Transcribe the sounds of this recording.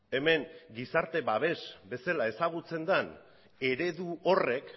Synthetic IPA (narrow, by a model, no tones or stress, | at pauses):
e̞me̞ŋɡisaɾt̪e̞βaβ̞e̞zbe̞salae̞saɣ̞ut͡se̞nd̪an | e̞ɾe̞ðuore̞k